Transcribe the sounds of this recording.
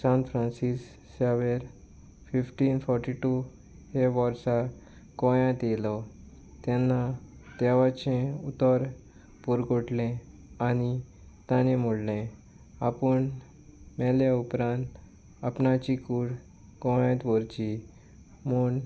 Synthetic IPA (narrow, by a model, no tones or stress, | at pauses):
sãnfɾãnsisː | aʋeɾ | fifʈiːnfɔɾʈiʈu | heʋɔɾsa | kɔ̃jãt̪jelɔ | t̪ɛnːat̪ɛʋat͡ɕẽut̪ɔɾ | puɾɡʱoʈlẽ | ani | t̪ãnẽmuɽlẽ | apəɳ | mɛljaupɾãnt̪ | apɳat͡ɕikuɽ | kɔ̃jãt̪ʋɔɾt͡ɕi | muɳ